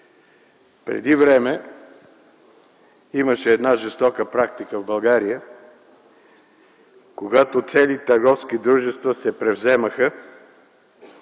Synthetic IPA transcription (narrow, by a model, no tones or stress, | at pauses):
pɾɛ̰d̪ivɾɛmɛ | iməʃɛːd̪naʒɛst̪ɔkəpɾak̚t̪ikəvbɐlˠɡaɾijə | koɡat̪ot̪sɛlit̪ɐɾɡɔfskid̪ɾuʒɛst̪vəsɛpɾɛvzɛməxə